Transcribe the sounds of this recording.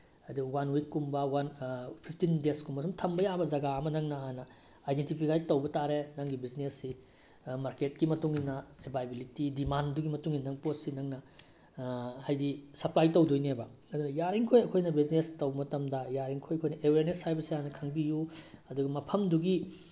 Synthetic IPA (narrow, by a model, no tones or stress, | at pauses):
ɐduwanwikːumbɐwanpʰipʰtindeskumbɐsumtʰɐmbɐjabɐzɐɡaɐmɐnɐŋnɐɦanɐ | ajdentipʰikʰajtɐwbɐtaɾenɐŋɡibiznesːi | maɾket̚kimɐtuŋinɐebajbilitidimanduɡimɐtuŋinɐŋpot̚sinɐŋnɐ | hajdisɐplajtɐwdojnebɐ | ɐdunɐjaɾiŋkʰojɐkʰojnɐbiznestɐwbɐmɐtɐmdɐjaɾiŋkʰojɐkʰojnɐʔeweɾnesajbɐsianɐkʰɐŋbijuɐduɡɐmɐpʰɐmduɡi